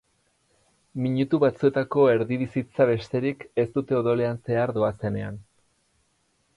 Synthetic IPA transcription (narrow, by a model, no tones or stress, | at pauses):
miɲut̪uβat͡sue̞t̪ako̞e̞ɾðiβisit͡saβe̞st̪e̞ɾike̞st̪ut̪e̞oðo̞le̞anse̞aɾðo̞ase̞ne̞a̰n